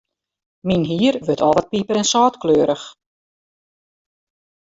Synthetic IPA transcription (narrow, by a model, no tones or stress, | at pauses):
minɦiːəɾʋøtʰɔ̰lˠʋɔt̚pipəɾɛnsɑːtkløːɾəx